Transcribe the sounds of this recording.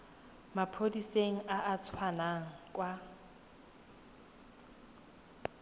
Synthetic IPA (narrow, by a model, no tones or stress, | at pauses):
mapʰodiseŋ̩ʔaʔat͡sʰwanaŋ̩kʼwa